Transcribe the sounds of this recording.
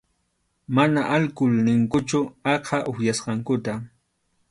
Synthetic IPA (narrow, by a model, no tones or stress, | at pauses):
manaʔalkʊlnɪŋkʊt͡ʃʊɑqʰɑʔʊhjasqɑŋkʊt̪a